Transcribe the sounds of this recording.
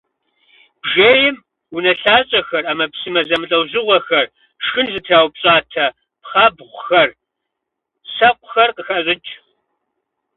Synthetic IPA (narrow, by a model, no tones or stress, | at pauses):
b̥ʒeːjɪm | unɐɬaːɕʼɐxɐraːmɐpsɨmɐzɐmɨɬʼɐwzɨʁʷɔxɐr | ʂxɨnzɨtʰaːwpɕʼaːtʰɐ | pχɑːbʁʷʊxɐr | sɐqʷʊxɐrqəxɐɕʼɨt͡ʃʼ